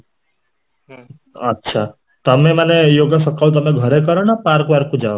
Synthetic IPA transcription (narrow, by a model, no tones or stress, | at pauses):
ətːʃʰa | t̪əmemanejoɡəsəkʰawt̪əmeɡʱʌɾekəɾnʌpaɾkʋaɾkud͡ʒaʋo